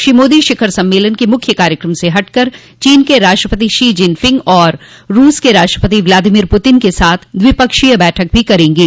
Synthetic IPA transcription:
ʃiːmoːd̪iʃɪkʰəɾsɐ̃mːeːlənkemʊkʰjəkaːɾjəkɾəmseɦɐʈkəɾ | t͡ʃiːnkeɾaːʃʈɾəpət̪iʃiːd͡ʒɪ̃npʰɪ̃ŋɡɔːɾːuːskeɾaːʃʈɾəpət̪iʋlaːd̪ɪmiːɾpʊt̪ɪnkesaːt̪ʰd̪ʋɪpəkʃijəbɛːʈʰək̚bʱikɐɾẽːŋɡiː

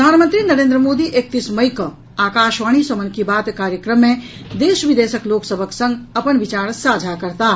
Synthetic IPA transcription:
pəd̪ʱaːnmə̃nt̪ɾinɐɾẽːnd̪ɾəmoːd̪iʔek̚t̪isməjkə | aːkaːʃʋaːɽ̃isəmənkibaːt̪kaːɾjəkɾəmːẽ | d̪eːʃʋɪd̪eːsəkloːksəbʱəksə̃ŋɡɐpənʋɪt͡ʃaːɾsaːd͡ʒʱakɐɾt̪aː

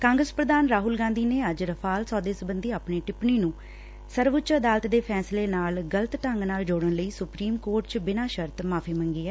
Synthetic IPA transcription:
kãːŋɡɾəspɾəd̪aːnɾaːɦʊlɡãːnd̪iːneːəd͡ʒɾəpʰaːlsɔːd̪eːsbənd̪iːaːpneːʈɪpɳiːnũː | səɾʋʊtːt͡ʃəd̪aːlət̪d̪eːpʰɛːsleːnaːlɡələt̪ʈəŋɡnaːld͡ʒoːɽənləiːsʊpɾiːmkoːɾʈ̚t͡ʃbɪnaːʃəɾt̪maːpʰiːmə̃ŋɡiːɛː

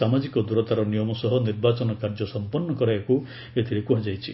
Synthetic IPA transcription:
amad͡ʒikɔd̪uɾɔt̪aɾɔnijɔmɔsɔɦɔniɾbat͡ʃɔnɔkaɾd͡ʒɔsɔmpɔnːɔkɔɾaeku | et̪ʰiɾekuɦad͡ʒajt͡ʃʰi

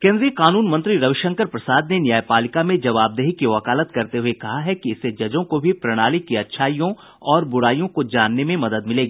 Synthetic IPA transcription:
kẽːnd̪ɾijəkaːnuːnmɐ̃nt̪ɾiɾɐʋɪʃɐ̃ŋkəɾpɾɐsaːd̪nenjaːjpaːlɪkamẽd͡ʒɐʋaːb̚d̪eɦikiʋɐkaːlət̪kɐɾt̪eɦuekɐɦaɦɛkiɪsed͡ʒɐd͡ʒõkobʱipɾɐɽ̃aːlikiɐtːʃʰaːijõ | ɔːɾbʊɽaːijõkod͡ʒaːnːemẽmɐd̪əd̪mɪleːɡiː

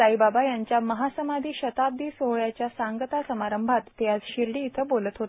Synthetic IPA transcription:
aibabajaɲt͡ɕjaməɦasəmad̪ʱiːɕət̪ab̚d̪iːsoɦɭjat͡ɕjasaŋɡət̪asəmaɾəmbʱat̪ːjat͡sɕiɾɽiːt̪ʰəbolət̪ɦot̪

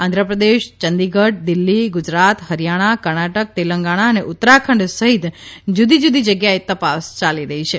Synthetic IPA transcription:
ãnd̪ʱɾəpɾəd̪eʃt͡ʃənd̪iɡəʈ̚d̪ɪlːiɡʊd͡ʒɾat̪ɦəɾjaɽ̃akəɾɳaʈək̚t̪eləŋɡaɽ̃aəneʔʊt̪ːɾakʰəɳɖsəɦit̪d͡ʒud̪id͡ʒud̪id͡ʒəɡjaet̪əpast͡ʃaliɾəɦit͡ʃʰe

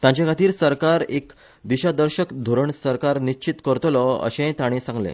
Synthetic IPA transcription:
t̪jãɲt͡ɕakʰat̪iːɾsəɾkaɾek | d̪iɕad̪əɾɕəkd̪ʱoɾəɳsəɾkaɾniɕt͡ɕit̪kəɾt̪lɔə̰ɕẽt̪aɽ̃ẽsãŋɡlḛ̃

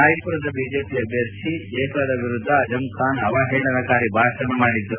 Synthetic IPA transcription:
aːjɐkuɾɐd̪ɐbiːd͡ʒeːpiɐbʱjɐkʂieːkɐd̪ɐʋiɾud̪ʱːɐːd͡ʒɐmkʰaːnɐʋaːɦeːɳɐnɐkaːɾibʱaːsɾɐnɐmaːɽid̪ːu

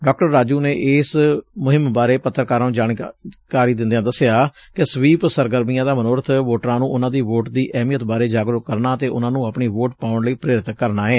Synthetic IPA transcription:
ɖɔːk̚ʈəɾːaːd͡ʒuːneːʔɪsmʊɦɪmbaːɾeːpət̪ʰːəɾkaːɾaːũːd͡ʒaːɽikaːɾiːd̪ɪ̃nd̪ijãːd̪əsɪjaː | kɪsʋiːpsəɾɡəɾmiːãːd̪aːmənoːɾət̪ʰʋoːʈɾãːnũːʊnãːd̪iːʋoːʈd̪iːʔɛːmijət̪baːɾeːd͡ʒaːɡɾʊkːəɾnaːt̪eːʔʊnãːnũːapɳiːʋoːʈpaːʊɳləiːpɾeːɾɪt̪kəɾnaːɦɛː

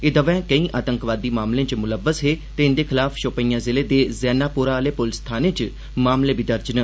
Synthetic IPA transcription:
ed̪əʋɛ̃ːkəĩːʔaːt̪əŋkʋaːd̪iːmaːmlẽːt͡ʃmʊləʋːəsɦeːt̪eːɪnd̪eːkʰɪlaːfʰʃoːpəiːãːzɪleːd̪eːzɛːnaːpʊːɾaleːpʊlst̪ʰaːnẽːt͡ʃ | maːmlẽːbiːd̪əɾd͡ʒnə

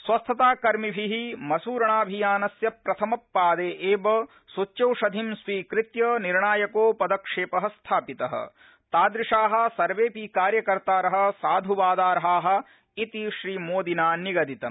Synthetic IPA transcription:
sʋɐst̪ʰɐt̪aːkɐɾmibʱiɦimɐsuːɾɐɳaːbʱijaːnɐsjɐpɾɐt̪ʰɐmɐpːaːd̪eːʔeːbɐ | sut͡ʃːt͡ʃɐwʂɐd̪ʱimsʋiːkɾɪt̪jɐniɾɳaːjɐkoːpɐd̪ɐkʂeːpɐɦɐst̪ʰaːpit̪ɐɦɐ̰̆ | t̪aːd̪ɾɪʂaːɦɐ̆sɐɾʋeːpikaːɾjɐkɐɾt̪aːɾɐɦɐ̆saːd̪ʱuʋaːd̪aːɾɐɦaːɦɐ̆ | it̪iʃɾiːmoːd̪inaːniɡɐd̪it̪ɐm

